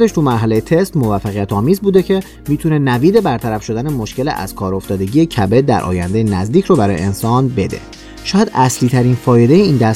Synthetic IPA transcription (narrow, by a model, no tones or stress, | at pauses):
d̪e̞ʃt̪ʰuːmæɾɦæle̞jet̪ʰe̞st̪mo̞væfːæɣijæt̪ʰɒːmiːzbuːd̪ecʰe̞ | miːt̪ʰune̞næviːd̪e̞bæɾt̪ʰæɾæfʃo̞d̪æne̞mo̞ʃce̞lḛʔæ̰z̥kʰɒːɾo̞ft̪ɒːd̪e̞ɟije̞cʰæbed̪æ̰ɾʔɒ̰ːjæ̰nd̪ejenæzd̪iːcʰɾoːbæɾɒːjḛensɒːnbe̞d̪e̞̰ | ʃɒːjæd̪æsliːt̪ʰæɾinfɒːje̞d̪ejeiːnd̪æ